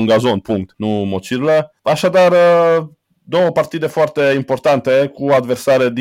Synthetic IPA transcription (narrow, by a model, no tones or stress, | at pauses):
ŋɡazonpuŋk̚t̪numot͡ʃiɾlə | aʃad̪ar | d̪o̞wəpart̪id̪e̞foart̪e̞impo̞rt̪ant̪e̞kuad̪versaɾed̪